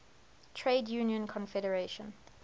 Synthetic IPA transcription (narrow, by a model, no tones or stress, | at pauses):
tʰɹeɪdjuːnjə̃nkʰɔ̃nfɛɾəɹeʃə̃n